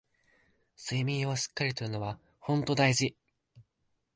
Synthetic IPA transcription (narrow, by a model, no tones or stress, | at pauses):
sɨimʲĩɰ̃βaɕɨ̥kːaɾʲit̪o̞jɯ̟no̞βa | hõ̞nt̪o̞d̪aiʑi